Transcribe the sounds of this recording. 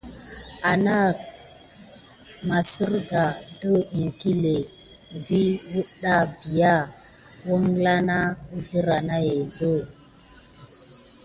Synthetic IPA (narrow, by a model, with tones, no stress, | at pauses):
a˨na˦ | ma˨si˦ɾɡa˨də˦i˨ŋki˦le˨ | vi˦wu˦ɗa˦bi˨ja˦˨ | wo˦ŋ˦la˦na˦u˦vi˦ɾa˨na˦je˨zo˦˨